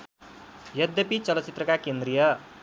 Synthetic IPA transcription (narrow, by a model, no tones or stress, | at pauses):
jʌd̪jʌpit͡sʌlʌt͡sit̪rʌkakend̪rijʌ